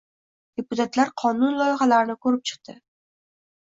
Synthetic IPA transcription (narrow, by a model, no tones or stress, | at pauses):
d̪̥e̞pʊt̪ʰat̪laɾqʰɒnʊnlɒjɪχalaɾɪnɪkʰɵɾɪp̚t͡ʃʰɨ̥qt̪ɪ